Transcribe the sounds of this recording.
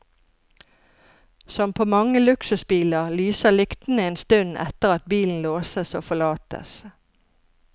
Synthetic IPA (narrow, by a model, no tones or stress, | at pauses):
sɔmpʰoːmɑŋəlʉksʉsbiːləʁlyːsəlʏkt̪n̩əeːnst̪ʉnʔɛ̰t̪əʁɑt̪̚biːln̩loːsəsoːfɔlɑːt̪ə̰s